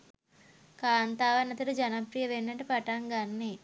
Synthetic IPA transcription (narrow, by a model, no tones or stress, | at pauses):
kaːnt̪aːʋɐnːɐt̪ɐɾud͡ʒɐnɐpɾijɐʋenːɐʈɐpɐʈaŋɡanːe